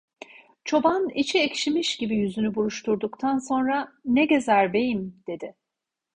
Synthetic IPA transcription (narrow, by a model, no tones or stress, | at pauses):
t͡ʃʰo̞banit͡ʃʰiecʃimiʃɟibijyzynybuɾuʃt̪ʰuɾd̪ukt̪ʰanso̞nɾaneɟe̞zæɾbe̞jimd̪̥e̞d̪ɪ